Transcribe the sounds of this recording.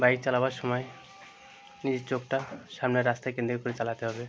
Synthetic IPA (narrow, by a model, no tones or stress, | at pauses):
bajiɾt͡ɕalabaɾʃɔmɔe | nid͡ʑeɾt͡ɕok̚ʈaʃamneɾast̪akend̪ɾikkoɾet͡ɕalat̪eɦɔbe